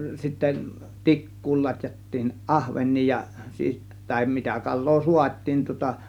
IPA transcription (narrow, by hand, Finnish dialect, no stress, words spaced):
sitːæ tikːuːl lɑtʲjɑtːiːn ʔɑhʋenˑiː jɑ siːs tɑˑem mitæ kɑlˑoː suɑt̆ʲtiːm tŭŏtɑ